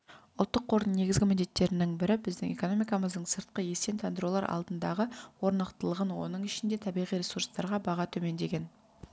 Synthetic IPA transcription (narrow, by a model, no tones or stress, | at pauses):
ʊlˠt̪ːəqʰːo̞ɾnəne̞ɡʲɪzɡʲɪmɪnd̪e̞t̪ːe̞ɾɪnɪŋbɪɾɪbɪzd̪ɪŋe̞̰ko̞no̞mijkɑməzd̪əɴsəɾt̪̚qəje̞se̞nt̪ʰend̪ɾolˠɑɾʔɑ̰lˠd̪ənd̪ɑʁəwo̞ɾnəqt̪əlˠəʁənwo̞nəɴɪʃɪnd̪e̞t̪ʰɑbijʁijɾʲe̞suɾst̪ɑɾʁɑbɑʁɑt̪ʰɵme̞nd̪e̞ɡʲe̞n